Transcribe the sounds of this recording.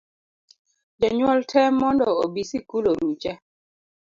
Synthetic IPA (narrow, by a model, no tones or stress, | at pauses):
d͡ʒaɲwɔltʰɛmːɔndɔobisikuloɾut͡ʃɛ